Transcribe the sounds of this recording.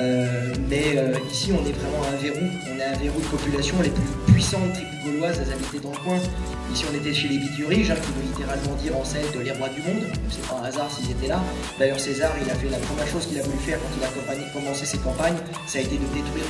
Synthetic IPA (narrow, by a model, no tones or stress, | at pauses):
ømɛøisiɔ̃nɛvʁɛmɑ̃ɛ̃veʁu | ɔ̃naɛ̃veʁud̪əpɔpylasjɔ̃leplypɥisɑ̃d̪ət̪χibyɡɔlwazasabit̪ed̪ɑ̃ləkwɛ̃ | isiɔ̃net̪ɛʃelebit̪yʁiʒɛ̃kʲivølit̪eʁalmɑ̃d̪iʁɑ̃sɛlt̪əleʁwad̪ymɔ̃d̪ɔsɛpaãazaʁsilzet̪ɛla | d̪ajœʁsezaʁilafɛlapχəmjɛʁʃoz̥kʲilavulyfɛʁkɑ̃t̪ilakɔ̃paɲkɔmɑ̃sesɛt̪̚kɑ̃paɲ | saːet̪ed̪ət̪et̪ule